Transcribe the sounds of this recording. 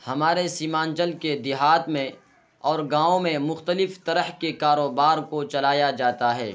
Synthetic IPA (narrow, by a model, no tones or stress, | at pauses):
hɐmaːɾesiːmãːnd͡ʒəlked̪ɪɦaːt̪mẽ | ɔːɾɡãːõmẽmʊxt̪əlɪft̪ɐɾəɦkekaːɾoːbaːɾkot͡ʃɐlaːjad͡ʒaːt̪aɦɛ̰ː